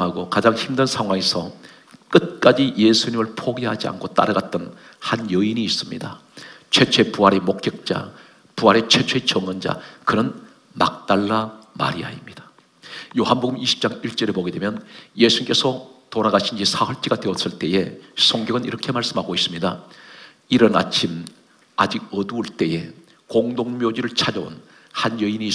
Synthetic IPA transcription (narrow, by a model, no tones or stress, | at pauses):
ɦaɡokad͡ʑaŋçimdɯnsʰaŋɦwaŋe̞sʰʌ | k͈ɯt̚k͈ad͡ʑije̞sʰuɲimɯɭpʰoɡiɦad͡ʑia̰nkʰot͈a̰ɾɯɡat̚t͈ʌn | hanjʌiniːs͈ɯmɲidat͡ɕʰwe̞t͡ɕʰwe̞puɦaɾe̞mok͈ek̚t͡ɕ͈a̰ | puɦaɾe̞t͡ɕʰwe̞t͡ɕʰwe̞t͡ɕʌŋʌnd͡ʑa̰kɯnɯn | ma̰k̚t͈aɭːama̰ɾḭa̰imɲid̥ḁ | joɦanboɡɯmiɕʰi̥p̚t͡ɕ͈aŋiɭt͡ɕ͈ʌɾe̞poɡedwe̞mjʌnjesʰunik͈e̞sʰʌtoɾaɣaɕʰind͡ʑisʰawʌɭt͡ɕ͈iɡadwe̞ʌs͈ɯɭt͈e̞je̞sʰoŋɡjʌɡɯniɾʌkʰe̞maɭs͈ɯmɦaɡois͈ɯmɲida | iɾʌna̰t͡ɕʰim | ad͡ʑiɡ̚ʌduːɭt͈e̞je̞ | koŋdoŋmjod͡ʑiɾɯɭt͡ɕʰad͡ʑʌo̰n | hanjʌiniː